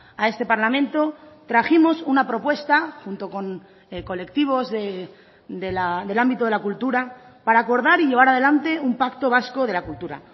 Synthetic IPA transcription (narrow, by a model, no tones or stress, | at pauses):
ae̞st̪e̞paɾlamẽ̞nt̪o̞t̪ɾaximo̞sunapɾo̞pwe̞st̪axunt̪o̞ko̞ŋ | ko̞le̞kt̪iβ̞o̞zðe | d̪elad̪e̞lambit̪o̞ðelakult̪uɾapaɾaːko̞ɾð̞aɾiʝe̞β̞aɾað̞e̞lant̪e̞umpakt̪o̞β̞asko̞ð̞e̞lakult̪uɾa̰